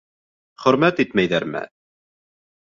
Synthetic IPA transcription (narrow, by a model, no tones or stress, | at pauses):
χɵ̆ɾmæt̪it̪mæjðæɾmɘ̰